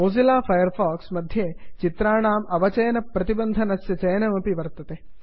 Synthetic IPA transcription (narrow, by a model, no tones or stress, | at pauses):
oːzilaːfʰɐjɐɾfʰaːksmɐd̪ʱjeːt͡ʃit̪ɾaːɳaːmɐʋɐt͡ʃɐjɐnɐpɾɐt̪ibɐnd̪ʱɐnɐsjɐt͡ʃɐjɐnɐmɐpiʋɐɾt̪ɐt̪eː